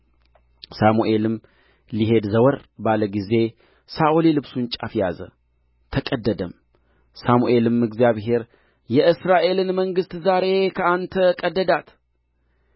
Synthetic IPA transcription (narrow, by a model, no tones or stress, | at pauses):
samuʔe̞lɨm | liɦe̞d̪zəwəɾbaləɡize̞ | saʔolilɨβsunt͡ʃʼafjazə̰ | t̪ʰəkʼəd̪ːəd̪əm | samuʔe̞lɨmɨɡzjaβɦe̞ɾ | jɛʔɨsɾaʔe̞lɨnməŋɡɨst̪zaɾe̞kʰəant̪ʰəkʼəd̪ːəd̪at̪